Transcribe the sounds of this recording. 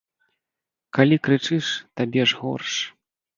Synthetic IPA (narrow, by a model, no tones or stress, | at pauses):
kalʲikɾɨt͡ʂɨʂt̪abʲɛʐɣɔ̰rʂ